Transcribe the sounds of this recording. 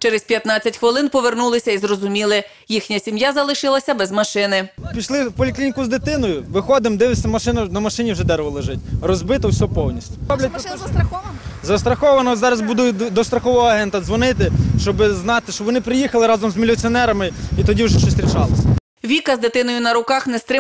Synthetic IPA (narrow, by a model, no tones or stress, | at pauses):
t͡ʃɛɾɛspʲjɐt̪nɑt͡sʲːɐtʲxʋɪlˠɪnpɔʋernulˠɪsʲɐizrɔzʊmʲilˠɪ | jixnʲɐsʲimjazɐlˠɪʃɪlˠɐsʲɐbɛzmɐʃɪnɪpʲiʃlˠɪwpɔlʲiklʲinʲikʊzd̪ɪt̪ɪnɔjʊʋɪxɔd̪ɪmd̪ɪʋɪsʲɐmɐʃɪnɐnɐmɐʃɪnʲiwʒɛd̪ɛɾʋɔlˠeʒɪt̚ʲrɔzbɪt̪ɔwsʲɔɦɔpɔwnʲisʲtʲʊ̥blʲɐt̪̚ʲɐɐzɐst̪ɾɐxɔʋɐnɔzɑɾɐzbud̪ʊd̪ɔst̪ɾɐxɔʋɔɦɔɐɦɛnt̪ɐzʋɔnɪt̪ɪʃt͡ʃɔbɪznɑt̪ɪʃt͡ʃɔʋɔnɪpɾɪjixɐlˠɪɾɑzɔmzmʲilʲʊt͡sʲiɔnɛɾɐmɪit̪ɔdʲiwʒɛʃt͡ʃɔsʲt̪ɾʲit͡ʃɑlˠɪsʲɐ | ʋʲikɐzd̪ɪt̪ɪnɔjʊnɐɾʊkɑxnɛst̪ɾɪ